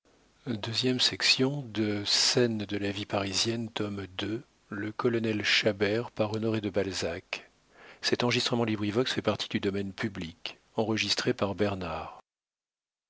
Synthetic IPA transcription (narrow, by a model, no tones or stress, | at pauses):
d̪øzjɛmsɛksjɔ̃d̪əsɛnd̪əlavipaʁizjɛnt̪ɔmd̪ø | ləkɔlɔnɛlʃabɛʁpaʁɔnɔʁed̪əbalzak | sɛt̪ɑ̃ʁəʒist̪χəmɑ̃libʁivɔksfɛpaʁt̪ʰi̥d̪yd̪ɔmɛnpyblik | ɑ̃ʁəʒist̪χepaʁbɛʁnaːʁ